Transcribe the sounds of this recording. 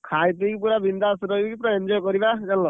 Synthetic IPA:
kʰajt̪ikipuɾabind̪asuɾɔikipuɾaend͡ʒɔjkɔɾibad͡ʒanlɔ

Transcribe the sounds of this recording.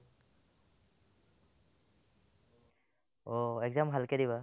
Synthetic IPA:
ɔɛkzamɦalkɛdiβa

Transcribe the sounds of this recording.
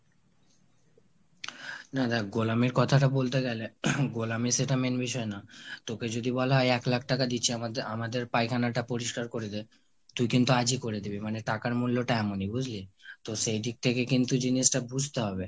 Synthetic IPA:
nad̪aɡolamiɾkɔt̪ʰaʈabolt̪eɡɛleɡolamiʃeʈamenbiʃɔenat̪oked͡ʑod̪ibɔlaɦɔjɛklak̚ʰʈakad̪itːt͡ɕʰiamad̪eɾpajkʰanaʈapoɾiʃkaɾkoɾed̪e | t̪ujkint̪uad͡ʑikoɾed̪ibimaneʈakaɾmulːoʈaɛmonijbud͡ʑʱlit̪oʃejd̪ik̚t̪ʰekekint̪ud͡ʑiniʃʈabud͡ʑʱt̪eɦɔbe

